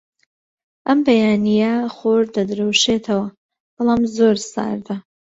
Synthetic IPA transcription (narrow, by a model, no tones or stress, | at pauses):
ʔɐmbɐjaːnijɐχoɾd̪ɐd̪ɨɾɐwʃet̪ʰɐwɐ | b̥ɑlˠaːmzoɾsa̰ːɾd̪ɐ